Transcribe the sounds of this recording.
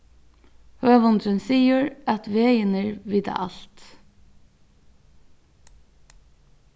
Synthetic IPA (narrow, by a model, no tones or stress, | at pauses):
høːʋɔnd̪ɾənsiːəɹæt̪ʋeːjɪnəɹʋiːt̪a̰ʔɑlt̪